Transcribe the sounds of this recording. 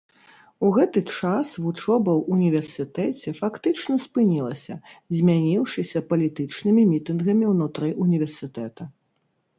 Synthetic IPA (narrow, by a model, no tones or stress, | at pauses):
uɣɛt̪ɨt͡ʂasvut͡ʂɔbɐwunʲivʲɛrsɨt̪ɛt͡sʲɛfakt̪ɨt͡ʂnɐspɨnʲilˠɐsʲɐzʲmʲanʲiwʂɨsʲɐpɐlʲit̪ɨt͡ʂnɨmʲimʲit̪ɨnɣɐmʲiwnut̪ɾɨʔunʲivʲɛrsɨt̪ɛt̪ɐ